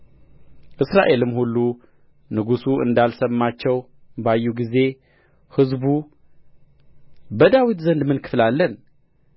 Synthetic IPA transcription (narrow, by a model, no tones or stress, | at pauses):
ʔɨsɾaʔe̞lɨmhulːu | nɨɡusuɨ̰nd̪alsəmːat͡ʃːɛw | bajːuɡize̞ | hɨzbu | bəd̪awit̪zənd̪mɨnkʰɨ̥flalːən